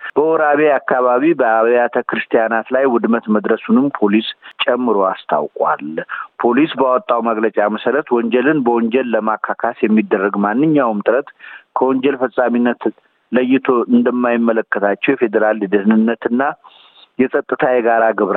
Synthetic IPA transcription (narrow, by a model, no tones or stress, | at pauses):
b̥əɔɾaβiakːaβaβibəaβjat̪ʰəkɾɨst̪ʰijanat̪lajwʊd̪mət̪məd̪ɾəsunɨmpʰo̞list͡ʃʼɛmːɨɾoast̪ʰa̰wkʼwa̰lpʰo̞lisbəawɔt̪ʼːawməɡlət͡ʃʼaməsəɾət̪wɔɲd͡ʒɛlɨnbəwɔɲd͡ʒɛlːəmakʰːakʰasjɛmːid̪ːərːəɡmanːɨɲːawmt̪ʼɨɾət̪kʰəwɔɲd͡ʒɛlfəsʼaminːət̪ | ləjːɪt̪ʰo̞ʔɨnd̪əmːajɪmːələkːət̪ʰat͡ʃːɛwjɛfe̞d̪əɾalːɨd̪ɨhnɨnːət̪ɨnːa | jɛsʼət̪ʼːɨt̪ʰajɛɡaɾaɡɨβɾa